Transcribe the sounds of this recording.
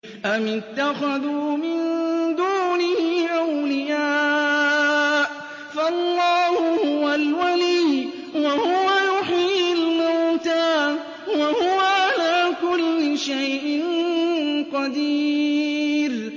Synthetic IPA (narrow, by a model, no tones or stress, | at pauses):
ʔamɪt̪ːaxaðuːmɪnd̪uːnɪɪʔawlɪjaː | ʔ | faɑlˤːɑːhʊhʊwalwalij | wahʊwajʊħialmawt̪aː | wahʊwaʕalaːkʊlːɪʃajʔɪn | qɑd̪iː | ɾ